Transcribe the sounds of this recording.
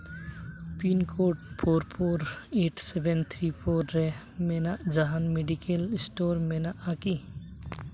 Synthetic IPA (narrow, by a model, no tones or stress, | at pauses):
pinkʰoʈpʰoːɾpʰoːɾeːʈsebʱent̪ʰɾipʰoɾːe | menad͡ʒaɦanmeɖikelsʈoːɾmenaʔaki